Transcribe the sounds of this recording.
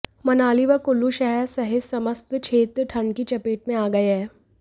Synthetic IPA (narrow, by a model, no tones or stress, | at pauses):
mɐnaːliʋɐkʊlːuʃɐɦəɾsɐɦesɐməst̪t͡ʃʰeːt̪ʈʰɐ̃ɳɖkit͡ʃɐpeːʈ̚mẽaːɡɐeɦɛː